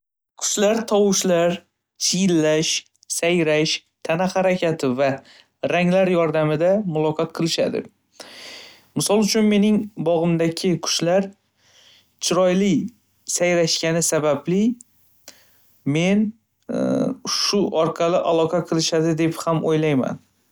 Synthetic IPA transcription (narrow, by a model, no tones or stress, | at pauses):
kʰʊ̥ʃlaɾt̪ʰɒwʊʃlaɾ | t͡ʃʰɪjɪlːaʃ | sajɾaʃt̪ʰanahaɾakʲʰat̪ʰɪva | ɾaŋlaɾjɒɾd̪amɪd̪amʊlˠɒqʰɒt̪̚qʰɨlˠɪʃa̰d̪ɪ̰ | mɪsɒlˠʊt͡ʃʰʊnme̞nɪŋbɒʁɨmd̪aɡʲʰɪkʰʊ̥ʃlaɾ | t͡ʃʰɪɾɒjlɪ | sajɾaʃkʲanɪsabablɪ | me̞n | ʃʊʔɒɾqʰɑlɪʔalˠɒqʰɑqʰɨlˠɪʃad̪ɪd̪e̞phamojlajma̰n